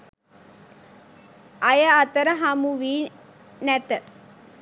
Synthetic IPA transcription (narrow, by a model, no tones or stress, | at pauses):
ajəat̪əɾəɦamuʋiː | næt̪ə